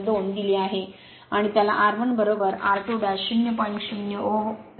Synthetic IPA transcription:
d̪oɳd̪iliaɦe | aɽ̃it̪jalaʔaɾʋənbəɾobəɾa̰ɾʈoɖaɕunjəpənkɕunjəo

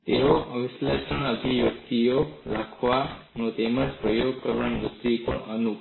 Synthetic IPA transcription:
t̪eoʔəʋislesəɳəd̪ʱiʋjəkt̪ijoɾakʰʋa | nõt̪eməd͡ʒpɾəjoɡkəɾʋaɳnud̪ipə̰ɳənuk

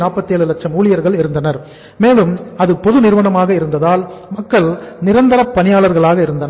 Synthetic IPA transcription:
naːpːɐt̪ːeːɭɯlɐk̚t͡ʃːɐmuːlɪjɐɾɣɐɭɪɾɯnd̪ɐnɐɾ | meːlɯmɐðɯpɔðɯnɪɾɯʋɐnɐmaːɣɐɪɾɯnd̪ɐðaːlmɐkːɐɭnɪɾɐnd̪ɐɾɐpːɐnɪjaːɭɐɾɣɐɭaːɣɐɪɾɯnd̪ɐn

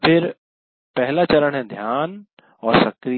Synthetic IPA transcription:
fʰɪɾ | pɛɦɪlat͡ɕɐɾəɽ̃ɛ̃ːd̪ʱjaːn | ɔːɾsɐkɾi

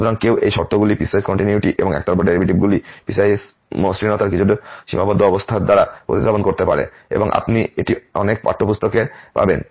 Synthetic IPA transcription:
t̪oɾaŋkewʔejʃɔɾt̪oɡulipisajskɔɳʈiniuʈiʔḛboŋɛ̰k̚t̪ɔɾbaɖeɾibʱiʈibɡulipisajs | mosɾinɔt̪aɾkit͡ɕʰuʈoʃḭmabad̪ʱːoɔbost̪ʰad̪aɾapɾo̰t̪id̪abonkoɾt̪epa̰ɾḛ | ḛboŋʔa̰pnieʈiɔnek̚pa̰ʈʰːopust̪okepa̰ben

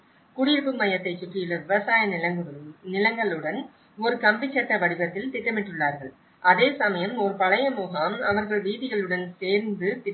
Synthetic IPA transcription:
kʊɽɪɾpːɯmɐjɐt̪ːɐɪt͡ʃːʊʈrɪjɪlɐʋɪʋɐsaːjɐn | nɪlɐŋɡɐɭɯɽɐn | ɔɾɯkɐmbɪt͡ʃːɐʈːɐʋɐɽɪbɐt̪ːɪlt̪ɪʈːɐmɪʈːɯɭːaːɾɣɐɭ | ʔɐðeːsɐmɐjɐmɔɾɯpɐɭɐjɐmuːɣaːmɐʋɐɾɣɐɭʋiːðɪɣɐɭɯɽɐnseːɾnd̪ɯt̪ɪ

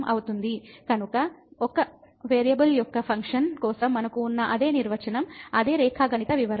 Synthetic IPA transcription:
mʔɐ̰wut̪und̪ikɐnukɐɔkɐ | ʋeːɾijɐbɐljɔkːɐpʰɐŋkʂɐnkɔːsɐmːɐnɐkuːnːɐʔɐd̪e̞ːniɾʋɐt͡ʃɐnɐmɐd̪eːɾɛːkʰaːɡɐnit̪ɐʋiʋɐɾɐ

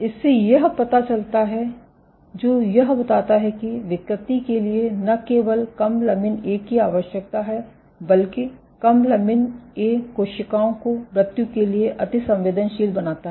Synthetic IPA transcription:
ɪsːejɐɦpɐt̪at͡ʃɐlt̪aɦɛ | d͡ʒoːjɐɦbɐt̪aːt̪aɦɛkiʋɪkɾɪt̪ikelienɐkeːʋəlkɐmlɐmɪneːkːiaːʋəʃjək̚t̪aɦɛ | bɐlki | kɐmlɐmɪneːoːʃɪkaːõkobɾɐt̪jukelieʔɐt̪ɪsɐ̃mʋeːd̪ənʃiːlbɐnaːt̪aɦ

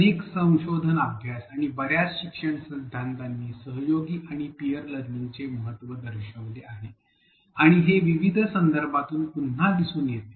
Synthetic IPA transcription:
əeksə̃w̃ɕod̪ʱənəbʱjasaɽ̃ibəɾjat͡sɕikʂəɳsɾid̪ʱːant̪anːiːsəɦjoɡiːʔaɽ̃ipijəɾləɡnint͡seməɦət̪ʋəd̪əɾɕəʋd̪eaɦe | aɽ̃iɦeʋiʋid̪ʱsənd̪əɾbʱat̪uːnpun̤ːad̪isuːnjet̪e̥

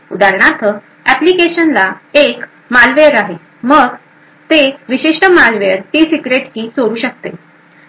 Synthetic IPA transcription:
ṵd̪aɾɳat̪ʰə | æplikeɕənlaek | malʋeəɾaɦe | məɡ | t̪eʋiɕiʂʈəmalʋejəɾt̪iːsikɾeʈkiːsoɾuːɕək̚t̪e

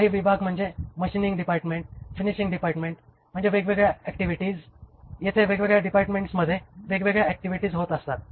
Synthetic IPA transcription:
aɦiːʋibʱaɡm̤əɳd͡zeməɕiniŋɡɖipaɾʈmeɳʈfiniɕiŋɡɖipaɾʈmeɳʈ | m̤əɳd͡zeʋeɡʋeɡɭjaɛkʈiʋiʈiːd͡zjet̪ʰeʋeɡʋeɡɭjaɖipaɾʈmeɳʈsməd̪ʱːjeʋeɡʋeɡɭjaɛk̚ʈiʋiʈiːd͡zɦot̪əst̪at̪̚

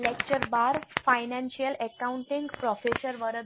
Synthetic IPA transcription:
lekt͡ɕəɾbaɾfajnãnɕijəlɛkauɳʈiŋɡpɾɔfesəɾʋəɾə

